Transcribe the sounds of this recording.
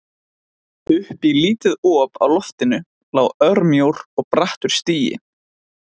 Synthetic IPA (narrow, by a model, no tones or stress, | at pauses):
ʏhpiliːt̪ʏðɔːpa̰wlɔft̪ɪnʏ | laːwœɾmjowɾ̥ɔɣpɾaht̪ʏɾ̥st̪iːjɪ̰